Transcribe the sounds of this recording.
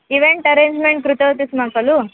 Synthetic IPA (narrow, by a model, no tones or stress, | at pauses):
iʋeɳʈɐɾeːɲd͡ʒmeɳʈ̚kɾut̪ɐwt̪ismɐkɐlu